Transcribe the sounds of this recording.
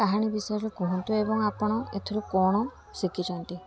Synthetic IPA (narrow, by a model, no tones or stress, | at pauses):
aɦaɽ̃ibisajɾɾɔkuɦɔnt̪uebɔŋapɔɽ̃ɔḛt̪ʰɔɾukɔɽ̃ɔ | sikit͡ʃʰɔnt̪i